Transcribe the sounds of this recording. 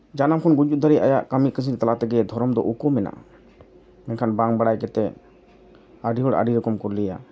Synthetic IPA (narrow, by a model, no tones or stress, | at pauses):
d͡ʒanamkʰɔnɡud͡ʒut̪̚d̪ʱaɾiajaʔkamikəsiɾt̪alat̪ɛɡɛd̪ʱɔɾɔmd̪ɔ̰ʔukɔmɛna̰ʔ | mɛnkʰanbaŋbaɽajkɛt̪ɛ | aɖiɦɔɽa̰ɖiɾɔkɔmkɔɾlɛja̰